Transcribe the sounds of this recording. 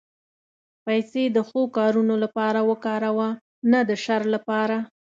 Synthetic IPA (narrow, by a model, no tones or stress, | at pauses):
pajsed̪əxokɑɾunolapɑɾawəkɑɾawa | nad̪əʃaɾlapɑɾa